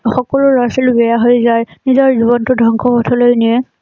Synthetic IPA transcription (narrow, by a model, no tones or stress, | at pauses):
xɔkɔlʊɹasilʊbɛjaɦojzajnizɔɹziβɔntʊdʱɔŋkʰɔpɔtʰɔlojniɛ